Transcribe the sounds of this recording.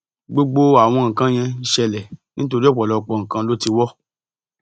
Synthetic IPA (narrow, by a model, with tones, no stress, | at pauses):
ɡ͡bo˦ɡ͡bo˦a˨w̃ɔ̃˧ŋ̩˨kã˦j̃ɛ̃˧i˦˧ʃɛ˧lɛ˨nĩ˦to˧ɾi˦ɔ˦˨k͡pɔ˨lɔ˨˧k͡pɔ˧˨ŋ̩˨kã˧lo˦ti˧wɔ˦